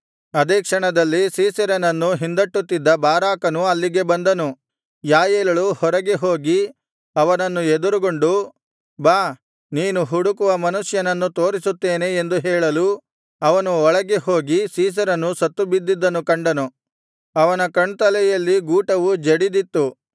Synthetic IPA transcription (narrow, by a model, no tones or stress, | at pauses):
ɐd̪eːkʂɐɳɐd̪ɐlːisiːsɐɾɐnɐnːuɦind̪ɐʈːut̪ːid̪ːɐbaːɾaːkɐnuɐlːiɡe̞bɐnd̪ɐnu | jaːjɛːlɐɭuhɔɾɐɡeɦoːɡi | ɐʋɐnɐnːued̪uɾuɡo̞ɳɖu | baː | niːnuɦuɽukuʋɐmɐnuʂjɐnɐnːut̪o̞ːɾisut̪ːeːne̞ːnd̪uɦɛːɭɐlu | ɐʋɐnuɔɭɐɡeho̞ːɡisiːs̬ɐɾɐnːusɐt̪ːubid̪ːid̪ːɐnukɐɳɖɐnu | ɐʋɐnɐkɐɳt̪ɐlɛjɐlːiɡuːʈɐʋud͡ʒeɽid̪it̪ːu